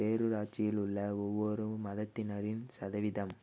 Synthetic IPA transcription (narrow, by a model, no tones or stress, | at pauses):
peːɾɯɾaːt͡ʃɪjɪlʊɭːɐɔʋːɔɾɯmɐðɐt̪ːɪnɐɾɪnsɐðɐʋɪðɐm